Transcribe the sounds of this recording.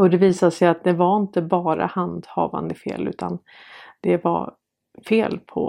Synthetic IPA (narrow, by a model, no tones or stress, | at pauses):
ɔd̪ɛviːsad̪əsɛjat̪̚d̪ɛvaɾɪnt̪əbɑːɾa̰hand̪hɑ̰ːva̰nd̪əfḛːlʉ̟ːt̪an | d̪̥ɛva̰ | feːlpʰɔ̰